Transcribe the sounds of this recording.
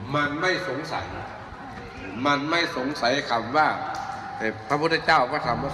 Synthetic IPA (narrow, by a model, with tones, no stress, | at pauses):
ma˧nma˥˩jso˨˦ŋsa̰˨˦j | ma˧˥˨nma˥˩jso˨˩˦ŋsa˨˦jkʰa˧˩mwaː˧˩ | a˨˧˨pʰɾa˧pʰu˥˩t̪ʰt͡ɕaː˥˩wkɔː˧˩t̪ʰa˧˦mwaː˧˩